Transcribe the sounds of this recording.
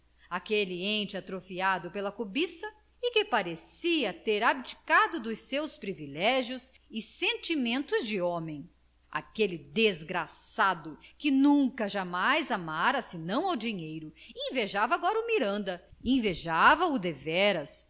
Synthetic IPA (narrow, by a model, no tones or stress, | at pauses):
akeliẽnt͡ʃɪat̪ɾofiad̪ʊpelɐkobisɐ | ɪkɪpaɾesiɐt̪eɾabit͡ʃi̥kad̪ʊd̪ʊsewspɾivilɛʒjʊs | ɪsẽnt͡ʃimẽnt̪ʊzd͡ʒɪõmẽj̃ | a̰kelɪd̪ezɡɾasad̪ʊkɪnũkɐʒamajzamaɾɐsɪnɐ̃w̃awd͡ʒiɲejɾʊẽveʒavɐaɡɔɾɐʊmiɾɐ̃nd̪ɐẽveʒavɐʊd̪evɛɾɐs